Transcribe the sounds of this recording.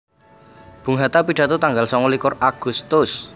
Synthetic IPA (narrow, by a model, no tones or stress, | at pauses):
b̥ṳŋɦat̪apiɖ̥ä̤t̪ot̪aŋɡalsɔŋɔlikʊraɡ̥ṳst̪ʊs